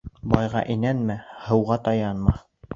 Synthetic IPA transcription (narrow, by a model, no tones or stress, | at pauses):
bɑjʁɑ̰ʔinænmæhɤ̆wʁɑt̪ɑjɑnmɑ